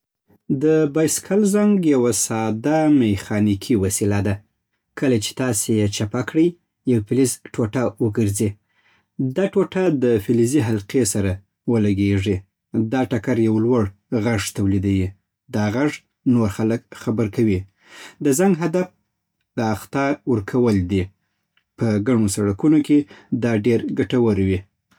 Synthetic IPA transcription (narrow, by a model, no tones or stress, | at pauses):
d̪əbɑjskʰalzaŋɡjawasɑd̪amexɑnikʰiwasilad̪a | kəlat͡ʃe̥t̪ɑsejet͡ʃapakɽəj | jawpilizʈoʈawəɡəɾzi | d̪ɑʈoʈad̪əfiliziɦalqesaɾa | wəlaɡeʐi | d̪ɑʈakaɾjawlwaɽ | ɣaʐt̪awlid̪awi | d̪ɑɣaʐ | noɾxaləkxabəɾkawi | d̪əzaŋɡɦad̪af | ləaxt̪ɑwəɾkʰawəld̪i | pəɡaɳosaɽakunoked̪ɑɖeɾɡaʈawəɾwi